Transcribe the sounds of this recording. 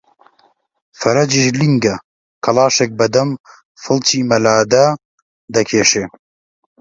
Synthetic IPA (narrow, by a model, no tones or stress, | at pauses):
fɐɾɐd͡ʒiʃliŋɡɐ | kʰɐlɑːʃek̚bɐd̪ɐm | fɨlˠt͡ʃiːmɐlaːd̪ɐ | d̪ɐkʰeːʃeː